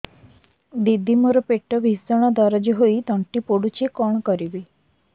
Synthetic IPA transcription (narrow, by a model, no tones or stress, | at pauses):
d̪id̪ʱimɔɾɔpeʈɔbisɔɽ̃ɔd̪aɾɔd͡ʒɔɦoid̪ɔɳʈipoɽut͡ʃʰikɔɽ̃ɔkɔɾibi